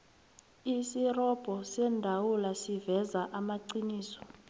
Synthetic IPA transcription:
isirɔb̥ʱɔsɛndʱawulasivɛzaʔamaǀiniːsɔ̥

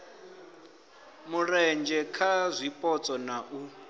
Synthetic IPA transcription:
murɛnd͡ʒʱɛkʰazʷipʼɔt͡sʼɔnaʔu

